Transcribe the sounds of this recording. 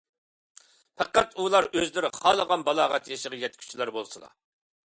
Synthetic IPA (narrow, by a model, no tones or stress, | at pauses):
pʰɛqæt̪ulˠɑɾøzlɪɾɪχɑːlˠəʁɑnbɑlˠɑːʁɑt̪ʰjʃəʁɑjɛt̪kʲʰy̥t͡ʃʰlˠɑɾbolˠsɨlˠɑ̰